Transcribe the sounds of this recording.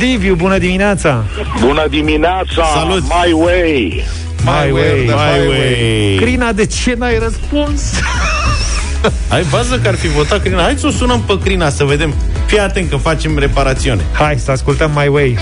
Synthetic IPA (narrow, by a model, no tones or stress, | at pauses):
d̪ivjubunəd̪imineat̪sa | bunəd̪imineat̪saalut̪majwej | majweaaajwekɾinad̪e̞t͡ʃe̞najrəspuns | ajbazəkəarfivo̞t̪at̪̚kɾinahajd̪sosunəmpəkɾinasəve̞d̪e̞m | fijat̪ent̪̚kəfat͡ʃe̞mre̞paɾat̪siune̞̰hajsəaskult̪əmːajwej